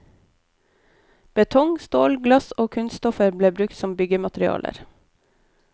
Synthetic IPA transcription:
b̥ət̪ʰɔŋst̪oːlɡlɑsoːkʰʉnsst̪ɔfəɾbleːbɾʉkt̪sɔmbʏɡəmɑt̪ɾɪɑ̰ːlə̰ɾ

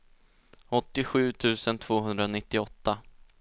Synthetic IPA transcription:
ɔt̪ːɪɧʉ̟ːt̪ʰʉ̟ːsənt̪ʰv̥oːɦɵnd̪ɾanɪt̪ːɪɔt̪ːa

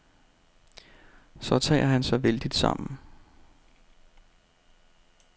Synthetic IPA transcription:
sɒ̽t͡sʰɛ̰ːɐɦænsɒ̽ʋeld̥id̥sɑ̈m̰n̩

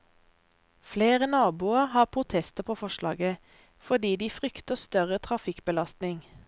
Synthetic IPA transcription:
fleːʁənɑːbuːəhɑːʁpʰʁʊt̪ʰɛst̪əpʰoːfɔʃlɑ̰ːɡə | fɔd̪iːd̪iːfʁʏkt̪əst̪œʁət̪ʰʁɑfɪkbəlɑst̪nɪŋ

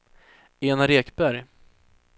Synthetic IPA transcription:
eːnaɾeːkbæɾj

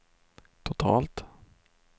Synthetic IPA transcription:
t̪ʰʊt̪ʰɑ̰ːlt̪

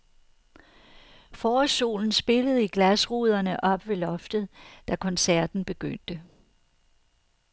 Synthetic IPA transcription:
fɒːso̝̰ːln̩sb̥e̝ləð̞̩ˠiɡ̥læsʁuð̞ˠɐnəʔɒ̽b̥ʋe̝lɒ̽fd̥ðˠd̥ækʰɒ̽nsæɐ̰d̥n̩b̥e̝ɡ̥øn̰d̥ə

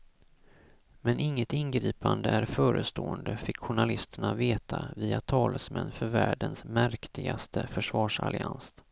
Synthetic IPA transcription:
mɛnʔɪŋːət̪ɪnɡɾiːpand̪əæɾfœːɾəst̪oːənd̪əfɪkɧʊɳalɪst̪əɳaveːt̪ʰaviːat̪ʰɑːləsmɛnːfœɾvæːɖənsmæɾkt̪ɪɡast̪ʰəfœʂvɑːʂa̰lɪans

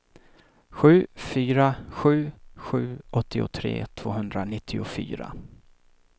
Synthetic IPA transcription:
ɧʉ̟ːfyːɾaɧʉ̟ːɧʉ̟ːʔɔt̪ʰːɪʊt̪ʰɾḛːt̪ʰv̥oːɦɵnd̪ɾanɪt̪ʰːɪʊfy̰ːɾa̰

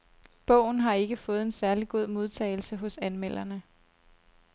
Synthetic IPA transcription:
b̥ɔ̰ʊ̰n̩ɦɑ̈e̝ɡ̥əfɔ̽ːð̞̩ˠe̝nsæɐliɡ̥o̝ð̞̰ˠmo̝ð̞ˠt͡sʰɛ̰ːɪl̩səɦɔ̽sænmel̰ɐnə

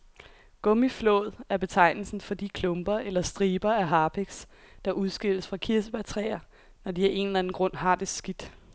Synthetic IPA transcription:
ɡ̥ɔ̽miflɔ̰̽ːð̩ˠæɐb̥e̝t͡sʰɑ̈ɪ̰nl̩sn̩fɒ̽d̥ikʰlɔ̽mb̥ɐʔelɐsd̥ʁiːb̥ɐæɦɑ̈ːpʰeɡ̥s | d̥ɑ̈ʔuðˠsɡ̥e̝l̰əsfʁɑ̈kʰiɐsəb̥æt͡sʰʁɛ̰ːɐ | nɒd̥iæʔe̝nlæn̩ɡ̥ʁɔ̽n̰ɦɑ̈ːd̥e̝sɡ̥id̥

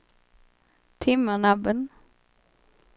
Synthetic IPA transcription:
t̪ʰɪmːəɳabən

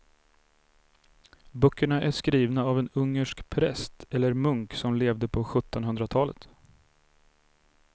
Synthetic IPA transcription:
bœkʰːəɳaʔæʂkɾiːvnaavɛnɵŋːəʂkpʰɾɛst̪ʰɛlːəɾmɵŋksɔmleːvd̪əpʰɔɧɵt̪ːɔnɦɵnd̪ɾat̪ʰɑːlə̰t̪

